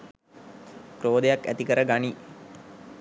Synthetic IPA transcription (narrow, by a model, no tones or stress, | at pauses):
kɾoːd̪ejakːæ̰t̪ikəɾəɡani